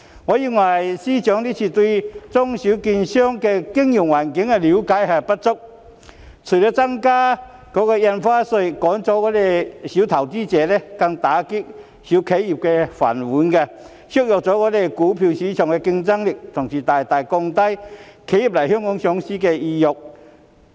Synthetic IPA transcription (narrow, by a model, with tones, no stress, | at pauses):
ŋɔː˨˧˦ji˧nwɐ˨˩jsiː˥t͡ɕœː˨˥ŋli˥t͡ɕʰiː˨˩t̪wi˧t͡sʊ˥ŋɕi˨˥ki˧nɕœ˥ŋkɛ˧kɪ˥ŋju˨˩ŋwaː˨˩nkɪ˨˥ŋɛ˧li˨˥wkaː˨˥jha˨˧˩pɐ˦˥t̚t͡sʊ˥k̚ | t͡sʰu˨˩lə˧t͡sa˥ŋkaː˦˥ | kɔː˨˧˥kɛ˧jɛ˧nfaː˥sə˧˩jkɔː˨˥ŋt͡sɔː˨˥kɔː˨˥t̪e˨˩ɕi˨˧˥wt̪ʰɐ˨˩wt͡si˦˥t͡sɛː˨˧˦lɛ˧ka˧ŋt̪aː˨˧˦ki˥k̚ | ɕu˨˦kʰe˨˥ji˨˩p̚kɛ˧fa̰˨˩nu˨˦nkɛ˧ | ɕu˥k̚jɔ˨k̚t͡sɔː˨˦kɔː˨˦˥d̪e˨˧˩kuː˨˦pʰi˧˩wɕi˨˦t͡ɕʰɔ˨˩ŋkɛ˧ki˧ŋt͡sa˥ŋli˨˩k̚t̪ʰʊ˨˩ŋsiː˨t̪aː˨˩jt̪a˨˩jkɔ˧ŋt̪a˥jkʰe˨˧˥ji˨p̚la˨˩jɦɔ˥ŋʊ˧˥ŋɕjɔ˨˧˥ŋsi˥kɛ˧i˧jʊ˨˩k̚